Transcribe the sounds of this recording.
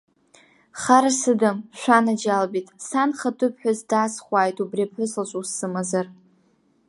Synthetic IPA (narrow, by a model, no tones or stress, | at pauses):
χaɾasɨdamʃʷanad͡ʒalbitʼsanχatʰɨpʰħʷᶣazdaːsχʷaːjtʰʼubriapħʷʊslat͡ʃʷʼusːɨmazar